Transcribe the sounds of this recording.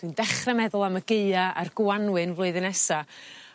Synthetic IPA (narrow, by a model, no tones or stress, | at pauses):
d̥wiɨndɛχrɛmɛðʊlˠaməɡeɨaʔarɡ̥wanwɨnvlˠʊɨðɨnɛsa